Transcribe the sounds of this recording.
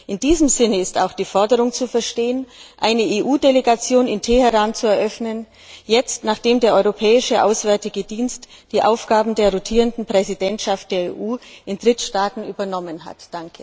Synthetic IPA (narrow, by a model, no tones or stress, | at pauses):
ʔɪndiːzəmzɪnəɪsta̰ʊxd̥iːfɔɐdəʁ̞ʊŋt͡sufɛɐʃteːənʔaɪnəʔeːʔuːdeleɡat͡sjoːnɪntʰɛhəʁaːnt͡suɛɐʔœfnən | jɛt͡stnaːχd̥eːmdeːɐʔɔʏʁopʰɛːɪʃəʔa̰ʊsv̥ɛɐtɪɡədiːnstd̥iːʔaʊfɡ̥aːbm̩deːɐʁotʰiːʁəndn̩pʁ̥ɛzidɛntʃaft̚d̥eːɐḛːʔuːʔɪndʁɪtʃtaːtn̩yːbɐnɔmənɦa̰td̥aŋkʰə